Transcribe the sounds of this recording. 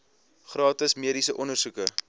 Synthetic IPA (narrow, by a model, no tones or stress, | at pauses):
χrɑːtəsmiədisəʔɔnərsukə